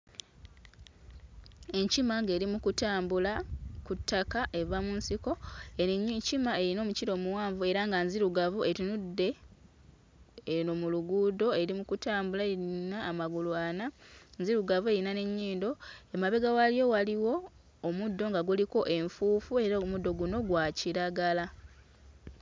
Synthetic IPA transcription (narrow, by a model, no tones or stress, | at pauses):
e̞ɲcimaŋɡe̞ːɾimukutaːmbulakutːakaʔe̞vamunsiko̞ | cimaeɾino̞ːmuciɾo̞ːmuwaːɱvue̞ɾaŋɡanziɾuɡavue̞tinudːe̞ | nomuluɡuːdo̞e̞ɾimukutaːmbulaeɾinaːmaɡuluananziɾuɡavue̞ɾinane̞ɲːiːndo̞emaβe̞ɡawalijo̞waliwo̞ː | mudːo̞ŋɡaɡuliko̞ʔe̞ɱfuːfue̞ɾamudːo̞ɡuno̞ɡwaciɾaɡala